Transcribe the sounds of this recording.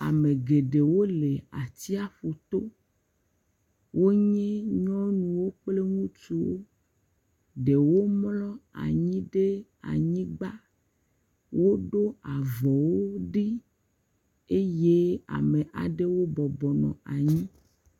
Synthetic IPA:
a̰˨me˨ɡe˨ɖe˨wo˦le˨a̰˨t̪i˦a˦ɸo˨t̪o˦ | wo˦ɲɛ̃˦ɲɔ̃˦nũ˨wo˦k͡ple˦ŋũ˦t͡ʃu˨wo̰˦ | ɖe˨wo˦mlɔ˦a̰˨ɲĩ˦ɖe˦a̰˨ɲĩ˦ɡ͡ba˦ | wo˦ɖo˦a˨vɔ˨wo˦ɖi˦ | e˦je˦a̰˨me˨ʔa̰˨ɖe˦wo˦bɔ˨bɔ˨nɔ̰̃˨a˨ɲĩ˦

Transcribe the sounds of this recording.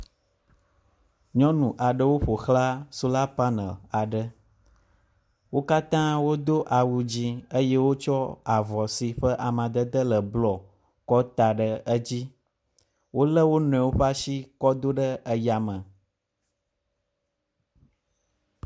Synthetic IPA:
ɲɔ̃˦nũ˨ʔa˨ɖə˦wo˦ɸo˨xla˦su˦la˦pa˦nə̰̃˨a˨ɖə˦ | wo˦ka˦t̪ã˦wo˦d̪o˦ʔa˨wu˨d͡ʑi˦ə˦je˦wo˦t͡ʃɔ˦a˨vɔ˨si˨ɸə˦ʔa˨mã˨d̪ə˦d̪ə˦lə˨blɔ˨ | kɔ˦t̪a˨ɖə˦ə˦d͡ʑi˦ | wo˦lə˦wo˦nɔ̃˨ɛ̃˨wo˦ɸa˦si˦kɔ˦d̪o˦ɖə˦ə˦ja˨mə̃˨

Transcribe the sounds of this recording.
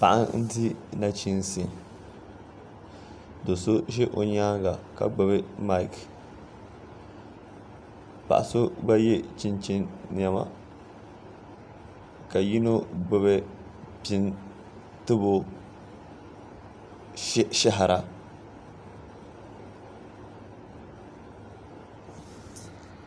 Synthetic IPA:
pa˨ʔa̰˦nn̩˦ti˦na˦t͡ʃi˦nsi˨n | do˨so˦ʃe˦ʔo̰˨ɲaː˦ɡa˨ka̰˨ɡ͡bʊ˦βɨ˦ma˦ɪ˦˨k | pa̰˨ʔa˨so˦ba˦je˦t͡ʃi˦nt͡ʃi˦nn˨a˨ma̰˦ | ka˨ji˦no˦ɡ͡bʊ˦βɛ˦ | pi˦n | tɨ˦bo˦ | ʃa˦ɦa˨ɾa˨

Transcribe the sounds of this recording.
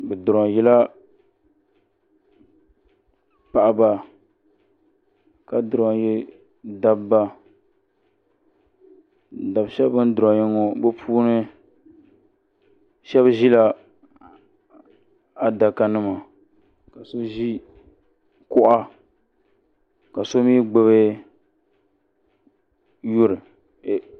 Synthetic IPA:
bɛ˨dʊ˨ɾɔ˨jɛ˦la˦ | pa˨ʔa˨ba˦ | ka˨dʊ˨ɾa˨jɛ˦ | da˦bba˦ | da˨bʃɛ˦bɨ˦n˦dʊ˨ɾɔ˨ɲi˦ŋo˦bɛ˦pʰuː˦nɨ˦ | ʃɛ˦bʒi˦la˦ | a˦da˨ka˨nɨ˦ma˨ | ka˨so˦ʒi˦ | kʊ˦ʔa˦ | ka˨so˦miː˦ɡ͡bɨ˦βe˦ | jʊ˦ɾɨ˨

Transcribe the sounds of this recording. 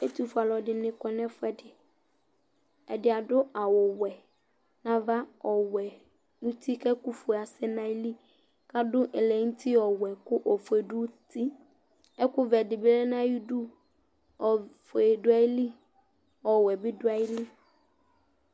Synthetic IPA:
e˦tu˨fʊ˨a˨lɔ˨dɪ˨nɪ̃˨kɔ˨nɛ̃˦fʊ˦ɛ˦dɪ˨ | ɛ˨dɪ˨a˨dʊ˦a˨wɔ˨wɛ˨ | nã˨va˦ɔ˨wɛ˨ | nũ˦tʰi˦kɛ˦kʊ˦fʊ˨a˨sɪ˦nã˦li˦ | ka˦dʊ˦ʔɛ˨lɛ˨ŋ̩˦tʰi˦ɔ˨wɛ˨kʊ˦ʔɔ˨fe˨dʊ˦ti˦ | ɛ˦kʊ˦vɛ˨dɪ˨bɪ˦lɛ˦nã˦ji˦du˦ | ɔ˨fe˨dʊ˦a˦ɪ˦li˦ | ɔ˨wɛ˨bɪ˦dʊ˦a˦jɪ˦li˦

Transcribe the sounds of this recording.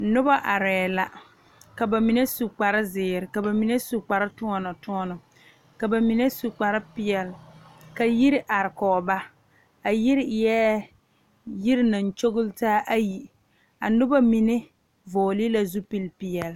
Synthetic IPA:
nʊ˦ba˦ʔa˨ɾɛː˨la˨ | ka˨ba˨mi˨ne˦su˨k͡pa˨ɾɪ˦zɪː˨ɾɪ˨ka˨ba˨mi˨ne˦su˨k͡pa˨ɾɪ˦tʊ˦ɔ˦nɔ˨tʊ˦ɔ˦nʊ˨ | ka˨ba˨mi˨ne˦su˨k͡pa˨ɾɪ˦pɪ˦ɛ˨lka˨ji˦ɾɪ˦ʔa˨ɾɪ˨kɔː˨ba˦ | a˨ji˦ɾɪ˦jɛː˦ | ji˦ɾɪ˦na˨n˨t͡ʃo˦ɣʊ˦ltaː˦ʔa˦ji˨ | a̰˨nʊ˦ba˦mi˨ne˦ | vɔː˨li˦la˦zu˦pi˨lpɪ˨ɛ˨l

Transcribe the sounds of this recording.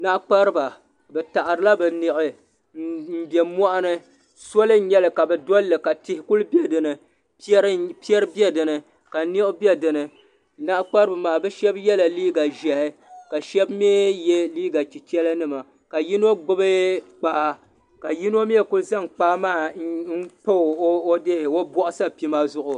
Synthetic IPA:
na˦ʔk͡pa˦ɾɨ˦ba˨ | bɛ˨ta˨ʔa˨ɾɨ˨˦la˦bɛ˨nɪ˨ʔɨ˨ | n̩˦bɛ˨mɔ˦ʔa˦nɨ˦ | so˦lɨ˦ɲɛ˦lɨ˨ka˨bɛ˨dɔ˦lːɨ˨ka˨tɪ˨hɪ˦ku˦lbɛ˦dɨ˨nɨ˨ | pɾpi˦ɛ˦ɾɨ˦bjɛ˦dɨ˨nɨ˨ | ka˨˦ni˦ʔʊ˦bjɛ˦dɨ˨nɨ˨ | na˦ʔk͡pa˦ɾɨ˦bɨ˨maː˨bɛ˦ʃɛ˦bjɛ˦la˨liː˦ɡa˨ʒɛ˨hɪ˦ka˨ʃɛ˦bm˦e˦jɛ˦liː˦ɡa˨t͡ʃi˨t͡ʃɛ˦la˦nɨ˦ma˨ | ka˨ji˦n˦o˦ɡ͡bʊ˦bɨ˦k͡paː˨˦ | ka˨ji˦n˦o˦m˦ɛ˦ku˦lza˦ŋk͡paː˦maː˦˨n̩˦k͡po˦˨˦o˦de˦hɪ˨o˦bɔ˦ʔʊ˦sa˦pi˦ma˦zʊ˦ʔʊ˨

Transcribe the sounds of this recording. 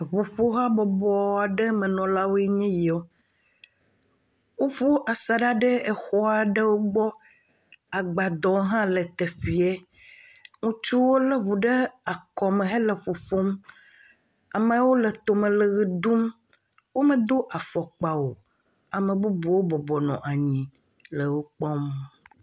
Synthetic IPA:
βu˨ɸo˦ɦa˦bɔ˨bɔ˦a˨ɖe˦mɛ̃˨nɔ̃˨la˦wo˦ɛ˦ɲɛ̃˦ji˨o˦ | wo˦ɸu˦ʔa˨sa˨ɖa˦ɖe˦e˨xɔ˦a˨ɖe˦wo˦ɡ͡bɔ˦ | a˨ɡ͡ba˨d̪ɔ̃˨˦ɦã˦le˨t̪e˨ɸi˨e˦ | ŋũ˦t͡ʃu˦wo˦le˦βu˨ɖe˦a˨kɔ˨mẽ˨ɦe˦le˨ɸo˨ɸo˦m | a˨mẽ˨wo˦le˨t̪o˨mẽ˨le˨ɣi˨d̪u˦m | wo˦mẽ˦d̪o˦ʔa˨fɔ˨k͡pa˨wo˨ | a˨mẽ˨bu˦bu˨wo˦bɔ˨bɔ˨nɔ̰̃˨ʔa˨ɲĩ˨ | le˨wo˦k͡pɔ˦m

